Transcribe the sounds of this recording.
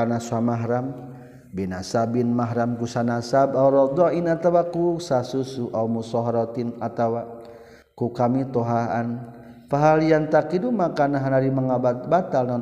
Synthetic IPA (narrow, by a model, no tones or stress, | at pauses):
anasuamaɦɾam | binasabinmaɦɾamkusanasabauɾɔd̪ɔʔinat̪awakusasusuʔaumusɔɦaɾɔt̪inat̪awa | kukamit̪ɔɦaan | faɦalijant̪akidumakanaɦanaɾimaŋababat̪alnɔ